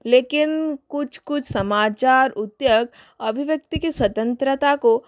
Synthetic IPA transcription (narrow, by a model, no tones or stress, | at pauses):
leːkɪnkʊt͡ʃʰkʊt͡ʃʰsɐmaːt͡ʃaːɾʊt̪jəɡ | ɐbʱiʋjək̚t̪ikiswɐt̪ə̃nt̪ɾət̪ako